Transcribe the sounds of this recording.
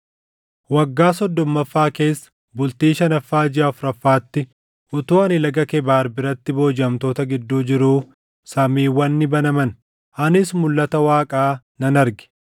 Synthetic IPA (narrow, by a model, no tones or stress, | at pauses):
wɐɡːaːsɔd̪ːɔmːɐfːaːke̞ːsːɐ̥ | bʊlt̪iːʃɐnɐfːaːd͡ʒɪaːfɾɐfːaːt̪ːɪ | ʔʊt̪uːɐnɪlɐɡɐkɛbaːɾbɪɾɐt̪ːɪbo̞ːd͡ʒɪɐmt̪o̞ːt̪ɐɡɪd̪ːuːd͡ʒɪɾuː | sɐmiːwɐnːɪbɐnɐmɐn | ʔɐnɪsmʊlːɐt̪ɐwaːkʼaː | nɐnɐɾɡɪ̥